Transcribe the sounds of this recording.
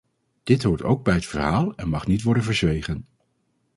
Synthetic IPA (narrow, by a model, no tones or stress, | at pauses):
d̥ɪtɦuːɹto̰wɡ̚bɛjətfəɹɦaːlˠɛnmɑχnitʋɔɹdənvəɹzʋejχən